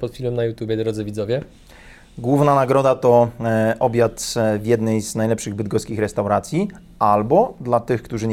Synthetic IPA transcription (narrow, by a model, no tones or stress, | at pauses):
pɔt̪fʲilmɛmnajut̪ʲjubʲjɛd̪ɾɔd̪zɘvʲidzɔvʲjɛ | ɡwuvnanaɡɾɔd̪at̪ɔʔɔbʲjat̪vʲjɛd̪nɛjznajlɛpʂɘɣbɘd̪̚ɡɔskʲixɾɛst̪awɾat̪sʲji | albɔd̪lat̪ɘxkt̪uʐɘɲ